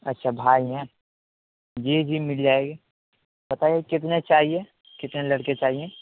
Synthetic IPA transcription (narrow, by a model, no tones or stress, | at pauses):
ɐtːʃʰabʱaːiɦɛ̃ | d͡ʒiːd͡ʒiːmɪld͡ʒaːeːɡe | bɐt̪aːjekɪt̪̬net͡ʃaːɦie | kɪt̪nelɐɽket͡ʃaːɦie